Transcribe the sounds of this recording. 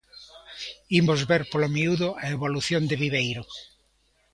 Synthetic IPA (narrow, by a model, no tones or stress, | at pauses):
imozβeɾpolomiuðʊɐeβoluθjond̪ɪβiβejɾʊ